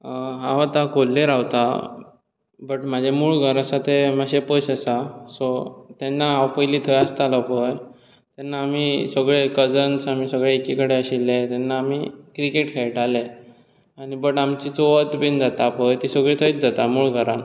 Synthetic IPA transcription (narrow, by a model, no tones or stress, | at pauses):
ɦaʋat̪akolːeɾawt̪a | bəʈmad͡ʑʱemuːɭɡʱəɾəsat̪eməɕeposəsasɔt̪enːaawpəjliːt̪ʰəjast̪aləpəj | t̪anːaːmisəɡɭekəd͡zənsamiːsəɡɭeekikəɽeəɕilːet̪ɛnːaːmikɾikeʈkʰeɭʈale | aɽibəʈamt͡ɕit͡soʋət̪bind͡zat̪apəjt̪isəɡɭet̪ʰəit͡sd͡zat̪amuːɭɡʱəɾan